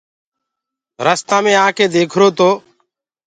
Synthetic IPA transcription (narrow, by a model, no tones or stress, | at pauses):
ɾəst̪ãːmẽːaːkʰeːd̪eːkʰɾoːt̪oː